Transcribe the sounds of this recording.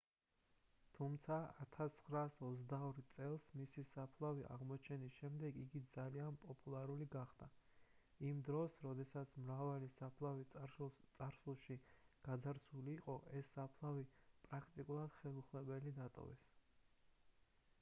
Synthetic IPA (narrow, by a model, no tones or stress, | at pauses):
t̪ʰumt̪sʰaa̰t̪ʰat̪ʰχɾaːsɔt̪zd̪aɔɾt̪sʼɛlˠsmisisapʰlˠaviʔa̰ʁmɔt͡ʃʰɛnisʃɛmd̪ɛɡiɡid̪zalianpʼɔpʼulˠaɾuliɡaχd̪̥a | imd̪ɾɔsɾɔd̪ɛsat̪sʰmɾavalisapʰlait̪sʼaɾsulˠʃiɡ̥ad̪zaɾsʰuliːqʼɔʔɛsːapʰlˠavipʼɾakʰt̪ʼikʼulˠad̪̥χɛlˠuχlɛbɛlid̪at̪ʼɔ̰vɛ̰s